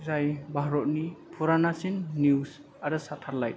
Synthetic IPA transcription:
zajbaɦɾɔt̚nipʰuɾanasinːuws | aɾɯsatʰaɾlaj̚

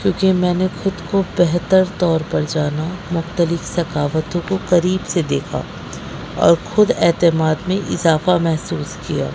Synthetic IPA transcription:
kjõːkimɛ̃ːnexʊd̪kobɛɦt̪əɾt̪ɔːɾpɐɾd͡ʒaːnamʊxt̪əlɪfsɐkaːʋət̪õkokɐɾiːbsed̪eːkʰa̰ː | ɔ̰ːɾxʊd̪ɛːt̪ɪmaːd̪mẽʔɪzaːfamɛɦsuːskija̰ː

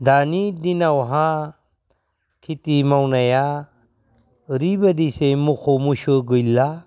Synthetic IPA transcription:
d̪anid̪inawɦã | kʰitimawnaja | ɾibɐd̪isemukʰomuʃɯɡɯjlːa

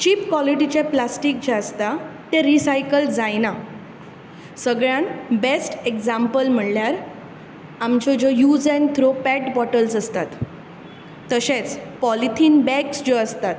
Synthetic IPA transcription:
t͡ɕiːpkwɔliʈit͡ɕeplasʈik̚d͡ʑaəst̪at̪ẽɾisajkəld͡zajna | səɡɭjãnbesʈekd͡zãmpəlm̤əɽljaɾ | amt͡ɕɔd͡ʑojud͡zɛ̃nt̪ʰɾopɛʈbɔʈəlsəst̪at̪ | əɕẽt͡spɔlit̪ʰiːnbɛksd͡ʑɔəst̪at̪

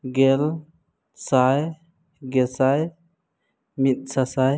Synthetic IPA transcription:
ɡel | saj | ɡɛsaj | mit̪̚sasaj

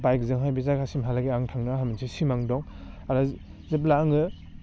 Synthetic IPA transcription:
bajkzɯŋɦajbizakʰasimɦalaɡiaŋtʰaŋnaɦaminsʰisimaŋdɔŋ | aɾa | zep̬laːŋɯ

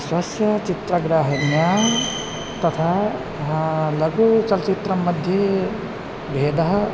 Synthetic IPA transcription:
swəsjət͡ʃit̪ɾəɡɾəɦnija | t̪ət̪ʰa | ɦãləɡut͡ʃəlt͡ʃit̪ɾəməd̪ʱje | bʱed̪əɦ

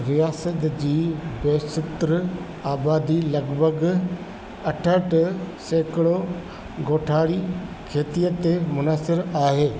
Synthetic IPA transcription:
ɾijaːsət̪d͡ʑiːbeːsɪt̪ɾ | aːbaːd̪ilɐɡbʱəɡ | ɐʈʰəʈseːkɪɽo | ɡoːʈʰaːɽikʰeːt̪ijət̪emʊnaːsɪɾaːɦeː

